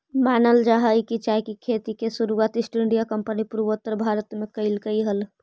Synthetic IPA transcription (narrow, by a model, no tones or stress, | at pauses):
maːnəld͡ʒaɦəikit͡ʃajkikʰet̪ikesuɾuwat̪isʈiɳɖijakəmpənipuɾʋət̪ːəɾbʱaɾət̪mekəɪlkəiɦəl